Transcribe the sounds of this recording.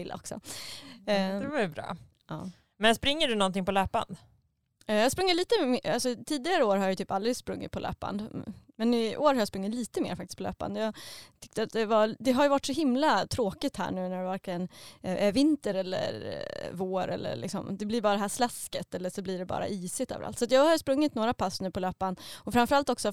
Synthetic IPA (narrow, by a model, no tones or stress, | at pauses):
ɪlːa̰ɔ̰ksɔ̰ | bɾɑ̰ː | ɑ̰ː | mɛnspɾɪŋːəɖɵnɔnt̪ɪŋpɔløːpa̰nd̪ | jɑhaspɾɵŋːɪtliːt̪əmalsɔt̪ʰiːd̪ɪɡaɾəoːɾhaɾjɑjʏt̪ʰyːpald̪ɾɪspɾɵŋːɪ̰t̪̚pʰɔlø̰ːpa̰nd̪mɛnɪʔoːɾhaɾjaspɾɵŋːɪt̪liːt̪əmḛːɾfak̚t̪ɪ̥skpʰɔlø̰ːpa̰nd̪əjɑt̪ʰʏkt̪əat̪̚d̪ɛvad̪ɛɦaɾjɵvaʈːʂɔɦɪmlat̪ʰɾoːkɪt̪hæ̰ːɳʉ̟ːnæɖɛvæɾklɪɡənʔævɪnt̪əɾɛlːə̰ɾvoːɾɛ̰lːə̰ɭɪ̰ksɔ̰md̪ɛblɪɾbɑːɾad̪ɛɦæːʂlaskət̪ɛlːəʂɔbliɖɛbɑ̰ːɾa̰ʔiːsɪt̪ø̰ːvəɾa̰lt̪sat̪jɑːɡhajʉspɾɵŋːɪt̪noːɾapʰasːnʉːpʰɔløːpanɔfɾamfœɾalt̪ɔksɔ